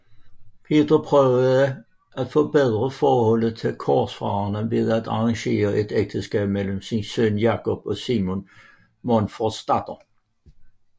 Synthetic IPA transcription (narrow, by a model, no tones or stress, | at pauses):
pʰe̝ːd̪ɐpʰʁœːʊəðˠə | æt̪fɔbeðˠʁəfɒːhɔləðt̪ʰelkʰɔsfʁɑɐnəʋe̝ðˠæt̪ɑʁɑŋɕe̝̰ːɐʔed̪ek̚t̪ʰəsɡ̥ɛːb̥̚meləmsinsønjɑːkʰɔb̥ɔsimon | mɔnfɔd̥st̪ɑd̪ɐ